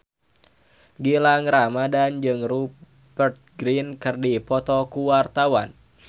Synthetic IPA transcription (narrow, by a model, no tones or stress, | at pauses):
ɡilaŋramadand͡ʒɨŋru | bərt̪̚ɡɾinkɨrdipɔt̪ɔkuwart̪awan